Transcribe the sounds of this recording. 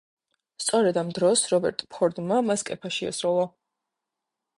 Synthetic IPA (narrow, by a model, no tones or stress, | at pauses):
st̪sʼɔɾɛd̪amd̪ɾɔsɾɔbɛ̰ɾt̪ʼpʰɔɾd̪mamaskʼɛpʰaʃiɛ̰sɾulˠɔ